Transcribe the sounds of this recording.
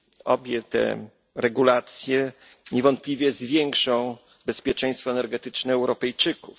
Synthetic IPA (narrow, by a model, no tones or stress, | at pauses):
ɔbʲjɛt̪ɛ̰ | ɾɛɡulat̪sʲjɛ | ɲɛvɔnt̪̚plʲivʲjɛzvʲjɛŋkʂɔ̃w̃ | bɛspʲjɛt͡ʂɛ̃j̃st̪fɔɛnɛɾɡɛt̪ɘt͡ʂnɛːwɾɔpɛjt͡ʂɘkuf